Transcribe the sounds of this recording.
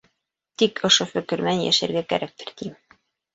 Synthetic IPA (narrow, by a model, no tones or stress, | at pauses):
t̪ikŏʃofɵ̆kɘ̆ɾmænjæ̰ʃæ̰ɾɡækæ̰ɾæk̚t̪ɘ̥̆ɾt̪im